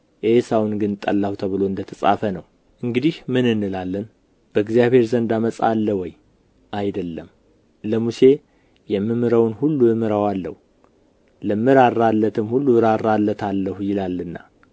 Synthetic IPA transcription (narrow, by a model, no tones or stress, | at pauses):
ʔesawunɡɨnt̪ʼəlːahut̪ʰəβɨlo̞ɨnd̪ət̪ʰəsʼa̰fənəw | ʔɨŋɡɨd̪ihmɨnɨnːɨlalːən | b̥əɨɡzijaβhe̞ɾzənd̪aməsʼa̰lːəwɔj | ʔajd̪əlːəm | ləmuse̞ | jɛmːɨmɨɾəwnhulːuɨmɨɾəwalːə̰hu | ləmːɨɾaɾalːət̪ʰɨmhulːuɾaralːət̪ʰalːəhujɪlalːɨnːa̰